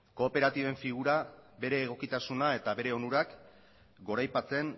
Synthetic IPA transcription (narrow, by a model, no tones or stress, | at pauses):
ko̞ːpe̞ɾat̪iβe̞ɱfiɣ̞uɾabe̞ɾe̞ːɣ̞o̞kit̪asunae̞t̪aβe̞ɾe̞o̞nuɾak | ɡo̞ɾajpat͡se̞n